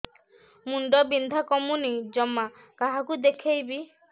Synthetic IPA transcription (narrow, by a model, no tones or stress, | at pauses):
muɳɖɔbind̪ʱakɔmunid͡ʒɔmːa | kaɦakud̪ekʰejbi